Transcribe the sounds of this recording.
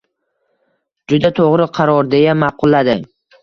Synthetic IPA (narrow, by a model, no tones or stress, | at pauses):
d͡ʒʊd̪at̪ʰoʁɾɪqʰɑɾɒɾd̪e̞jamɑqʰʊlˠːad̪ɪ